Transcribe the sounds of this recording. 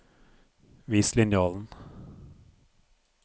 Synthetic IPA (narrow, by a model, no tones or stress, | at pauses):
ʋiːslɪnjɑːln̩